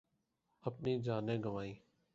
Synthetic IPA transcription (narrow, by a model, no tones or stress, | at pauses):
əpniːd͡ʒaːnẽːɡəʋaːiː